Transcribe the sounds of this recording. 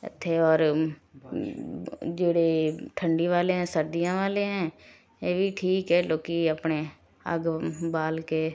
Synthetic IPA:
ɪ̰t̪ʰːeɔːɾ | d͡ʒeːɽeʈʰə̃ɳɖiʋaːleɦɛ̃ːsəɾd̪ijãːʋaːleɦɛ̃ː | eːbʱiʈʰiːkɦɛːloːkiəpne | ə̰ɡbaːlke

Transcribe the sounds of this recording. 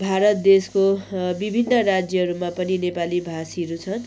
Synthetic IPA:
bʱaɾʌt̪̚d̪eskobibʱinːʌɾad͡zjʌɦʌɾumapʌninepalibʱasiʌɾut͡sʰʌn

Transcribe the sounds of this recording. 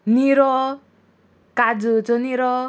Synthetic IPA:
niɾɔ | kad͡zut͡sɔniɾɔ

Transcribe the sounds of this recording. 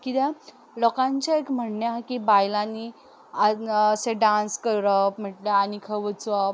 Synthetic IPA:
kit̪a | lɔkãɲt͡ɕaekm̤əɳːjakibajlani | aseɖãnskəɾəpm̤əʈleanikʰəʋət͡sɔp

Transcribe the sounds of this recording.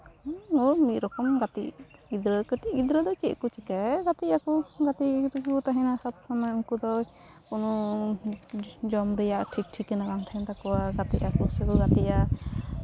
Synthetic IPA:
ɔmit̪̚ɾɔkɔmɡat̪iʔɡid̪ɾəkəʈiɡid̪ɾəd̪ɔt͡ʃiʔkut͡ʃikaɡat̪iakɔɡat̪iɾkut̪aɦɛnasab̚sɔmɔjɔŋkud̪ɔj | kunɔ | d͡ʒɔmɾɛjaʔʈʰik̚ʈʰikɛnaɡaŋt̪ʰaɛnt̪akɔwaɡat̪iʔakɔsɛɡuɡat̪ia

